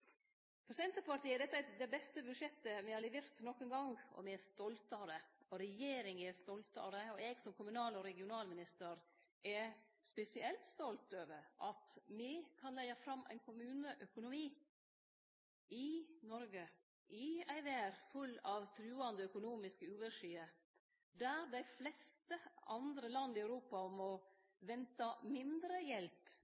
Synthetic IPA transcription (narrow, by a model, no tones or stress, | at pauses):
pʰɔsɛnt̪əpɑɾʈ̪iːəd̪ɛt̪ːd̪ɛbɛst̪əbʉʂɛt̪ːəmɪhɑɾlɛʋeːɾt̪nɔkːɛnɡɑŋɔ̰mɪɛst̪ɔlt̪ɑɾəɔɾɛjeːɾɪŋɛst̪ɔlt̪ɑ̰ɾəɔɛɡsɔmkʰʊmʉnɑːlɔɾɛɡɪʊnɑːlmɪnɪst̪əɾ | ɛ | spɛsɪɛlt̪st̪ɔlt̪øːʋəɾʔɑt̪mɪkʰɑnlæɪɑfɾɑmːʔæ̰ɪnkʰʊmʉːnəʔœkʊnʊmiː | ɪnɔɾɡə | ʔɪæɪʋæːɾfʉlːɑʋt̪ʰɾʉːɑnd̪əœkʊnuːmɪskəʉːʋəʂiːə | d̪æɾd̪æɪflɛst̪əʔɑnd̪ɾəlɑnd̪ɪɑʉɾuːpɑmɔ | ʋɛnt̪ɑmɪnd̪ɾəjɛlp